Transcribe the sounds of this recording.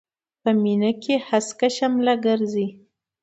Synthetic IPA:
pəminakʰehaskaʃamlaɡəɾzi

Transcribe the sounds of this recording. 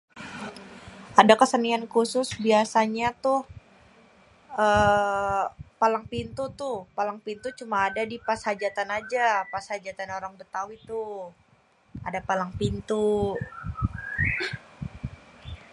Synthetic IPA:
adakəsəniankusʊsbiasaɲat̪ʊh | ə | palaŋpint̪ut̪ʊhpalaŋpint̪ut͡ʃumaːdadipashad͡ʒat̪anad͡ʒapashad͡ʒat̪anoɾaŋbət̪awit̪ʊh | adapalaŋpint̪u

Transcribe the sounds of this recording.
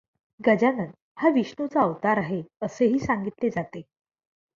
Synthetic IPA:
ɡəd͡ʑanən | haʋiɕɳut͡saəʋt̪aɾaɦeəseɦiːsãŋɡit̪led͡zat̪e

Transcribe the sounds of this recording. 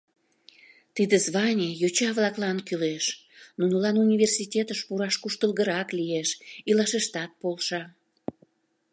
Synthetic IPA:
t̪id̪ezβɑnʲejot͡ɕɑβlɑklɑnkyleʃ | nunulɑnunʲivʲersitʲet̪əʃpuɾɑʃkuʃt̪əlɣəɾɑklieʃilɑʃeʃt̪ɑt̪̚polʃɑ

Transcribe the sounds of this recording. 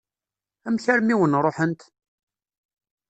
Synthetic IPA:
æmçæɾmiwənɾˤoħənt̪

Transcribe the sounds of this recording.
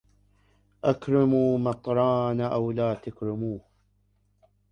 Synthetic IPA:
ʔakɾɪmuːmɑt̪ˤɾˤɑːnaʔawlaːt̪akɾɪmuːh

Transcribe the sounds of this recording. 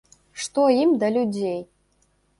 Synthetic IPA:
ʂt̪oimd̪alʲudʲej

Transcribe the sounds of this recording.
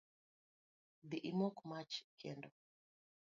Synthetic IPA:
d̪iʔimɔkmat͡ʃkʰɛndɔ

